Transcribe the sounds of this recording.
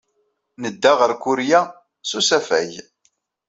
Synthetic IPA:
nəd̪ːaʁəɾkʊɾjæ | susæfæ̰j

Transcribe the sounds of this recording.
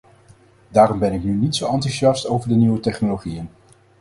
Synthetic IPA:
daːɾɔmbɛnɪknynitsowɑntyʒjɑstowvəɹdəniwətɛχnoloχijən

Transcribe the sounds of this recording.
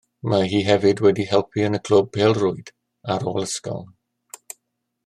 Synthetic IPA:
maɦiːɦɛvɨdwɛdihɛlˠpʰiənəkʰl̥əb̚pʰeːlˠrʊɨd̥ | aɾoːlˠəskɔ̰ln

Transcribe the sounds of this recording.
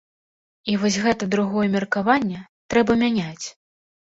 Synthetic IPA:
ivɔsʲɣɛt̪ɐd̪ɾuɣɔjɛmʲɛrkavanʲːɛt̪ɾɛbɐmʲanʲat͡sʲ

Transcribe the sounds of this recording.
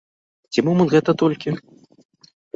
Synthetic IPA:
t͡sʲimɔmɐnt̪ɣɛt̪ɐt̪ɔlʲkʲi

